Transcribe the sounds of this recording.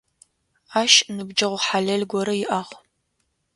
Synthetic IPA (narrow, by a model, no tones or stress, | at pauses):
aːʃnɨbd͡ʒɐʁʷħaɮɐɮɡʷɔɾɐjɪʔɐʁ